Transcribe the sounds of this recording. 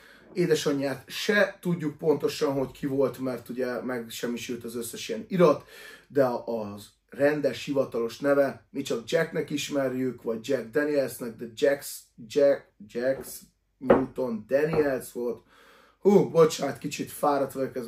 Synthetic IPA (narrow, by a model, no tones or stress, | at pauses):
eːd̪ɛʃɒɲːaːt̪ʃɛt̪uɟːuk̚po̞nt̪o̞ʃɒnɦo̞ckʰivo̞lt̪mɛrt̪uɟɛmɛɡʃɛmːiʃylt̪ɒzøsːɛʃiɛniɾɒt̪d̪ɛː | rɛnd̪ɛʃhivɒt̪ɒlo̞ʃnɛvɛmit͡ʃɒɡ̚d͡ʒɛknɛkiʃmɛrjykʋɒɟ̚d͡ʒɛɡ̚d̪ɛniɛlsnɛɡ̚d̪ɛd͡ʒɛksd͡ʒɛd͡ʒɛks | ɲuːt̪o̞nd̪ɛniɛlsvo̞lt̪ | huːbo̞t͡ʃaːt̪kit͡ʃit̪faːɾɒt̪ʋøkɛz